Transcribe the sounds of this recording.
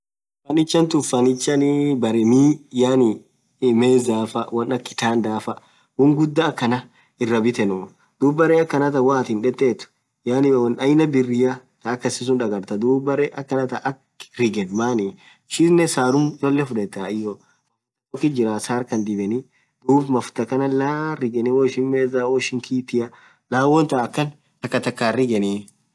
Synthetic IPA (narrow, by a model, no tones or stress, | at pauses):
fɐnɪt͡ʃːɐnt̪ʊfːɐnɪt͡ʃːɐnɪbɐɾɛmiːjaːnɪ | meːzaːfɐwɐnɐkːɪ̥t̪aːnd̪aːfɐ | wʊŋɡʊd̪ːakːɐnɐ | ɪrːɐbɪt̪ɛnu | d̪̥uːbɐɾɛɐkːɐnɐt̪ɐwaːt̪ɪnᶑɛt̪ːeːt̪ʊ̥ | janɪwɐnɐjnɐbɪrːɪjat̪ɐːkːɐsɪs̬ʊnᶑɐɡɐɾt̪ɐd̪uːbɐɾɛʔɐkːɐnɐt̪ɐʔɐk | ɾɪɡɛnmaːni | ʃɪnːɛsaːɾʊmjoːlːɛfʊᶑɛt̪ːaɪjo | ɐ | okːɪd͡ʒɪɾasaːɾkɐnd̪ɪbɛnɪ | d̪̥uːbmɐfʊt̪ɐkɐnɐlaɾɪɡɛnɪwoʃɪnmeːzawɔːɪʃɪŋkiːt̪ɪjɐ | laːwɔnt̪ɐɐkːɐn | t̪ɐkːɐt̪ɐkːaːrɪɡɛni